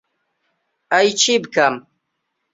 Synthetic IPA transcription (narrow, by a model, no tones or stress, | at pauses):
ajt͡ʃʰibkam